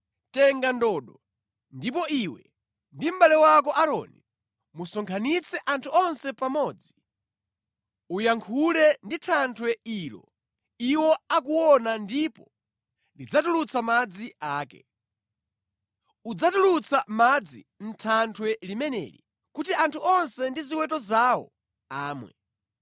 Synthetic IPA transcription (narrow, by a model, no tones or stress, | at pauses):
tɛŋɡandɔːɗɔ | ndipɔʔiwɛ | ndim̩ɓalɛwak̬ɔʔaɾɔ̰ni | musɔŋkʰanit͡sʰɛʔantʰuɔnsɛpamɔːd͡zi | ujaŋkʰulɛnditʰantʰwɛilɔ̰ | iwɔak̬uwɔnandipɔ | lid͡zatulut͡sʰamad͡ziaːkɛ̰ | ud͡zatulut͡samad͡zi | n̩tʰantʰwɛlimɛnɛ̰ːɾḭ | kutiʔantʰuʔɔnsɛndiziwɛtɔzaːwɔ̰ | aːmwɛ̰